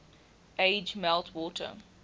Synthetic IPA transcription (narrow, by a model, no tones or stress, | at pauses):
ʔeɪd͡ʒmɛlˠtʰwɔtʰə̰